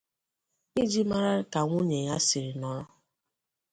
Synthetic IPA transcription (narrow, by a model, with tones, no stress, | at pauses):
i˦d͡ʒi˦ma˦ɾa˦ka˨ŋʷo˦ɲe˨ja˦sɪ˨ɾi˨nɔ˦